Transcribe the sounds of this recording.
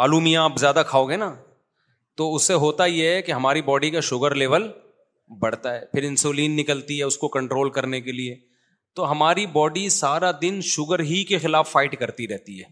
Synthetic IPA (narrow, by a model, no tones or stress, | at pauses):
maːluːmiãːpzjaːd̪akʰaːoːɡeːnaː | t̪oːʊsːeɦoːt̪ajeɦɛkeɦɐmaːɾibɔːɖikaʃʊɡəɾleːʋəl | bɐɽ̤t̪aɦɛːpʰɪɾɪ̃nsoːliːnːɪkəlt̪iɦɛʊskokɐ̃ɳʈɾoːlkɐɾnekelie | t̪oɦɐmaːɾibɔːɖisaːɾad̪ɪnʃʊɡəɾɦikexɪlaːfːaːɪʈkɐɾt̪iɾɛɦt̪iɦɛː